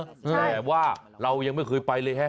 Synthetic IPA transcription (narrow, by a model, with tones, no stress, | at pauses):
t̪ɛː˨˩waː˥˩ɾa˧wja˧ŋma˥˩jkɤː˧jpa˧jlɤː˧jɦɛ˦˥